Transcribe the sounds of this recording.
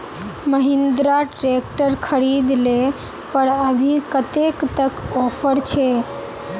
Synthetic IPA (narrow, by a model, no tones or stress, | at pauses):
məɦɪ̃nd̪ɾaʈɾek̚ʈəɾkʰəɾid̪le | pəɾəbʱikət̪ekt̪əkɔːpʰəɾt͡ʃʰe